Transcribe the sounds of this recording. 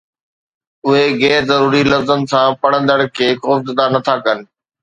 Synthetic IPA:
ʊɦeɣɛːɾzɐɾuːɾilɐfzənsãpɐɽ̤ə̃nd̪əɽ̃kʰeːkoːfd̪ɪd̪anɐt̪ʰakɐnɪ̆

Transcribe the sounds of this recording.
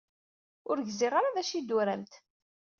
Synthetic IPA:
ʊɾʝzirˤaɾaðæʃid̪ʊɾæmt̪

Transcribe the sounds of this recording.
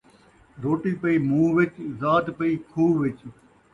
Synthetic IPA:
ɾoːʈiːpəiːmũːʋɪt͡ʃzaːt̪pəiːkʰuːʋɪt͡ʃ

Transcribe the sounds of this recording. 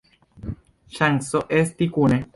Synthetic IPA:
ʃaŋsoʔest̪ikune

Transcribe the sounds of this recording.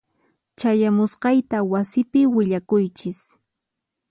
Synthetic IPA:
t͡ʃajamʊsqɑjt̪awasɪpɪwɪʎakʊjt͡ʃɪs

